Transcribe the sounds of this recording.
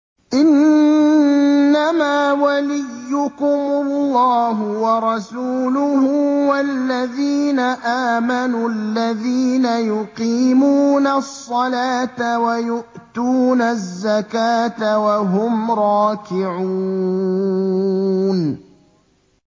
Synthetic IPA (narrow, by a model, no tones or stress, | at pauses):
ʔɪn | amaːwalɪjːʊkʊmʊlːɑːɦʊwɑɾˤɑsuːlʊhʊwalːaðiːnaʔaːmanuːalːaðiːnajʊqiːmuːnasˤːɑlaːt̪awajʊʔt̪uːnazːakaːt̪awaɦʊmɾˤɑːkɪʕuː | n